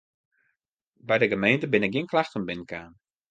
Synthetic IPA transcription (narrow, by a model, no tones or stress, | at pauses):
bɛjdəɡəmejntəbɪnɪk̚ɡɪənklaxtənbɪnkaːn